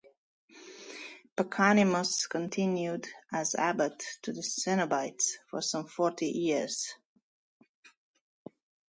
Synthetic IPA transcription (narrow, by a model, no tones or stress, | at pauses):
pəkʰanɪməskʰə̃ntʰɪ̃njudəzæ̰bətʰːɨðəsɛnəbaɪtsfɔ˞sʌ̃mfɔɹtijɪz̥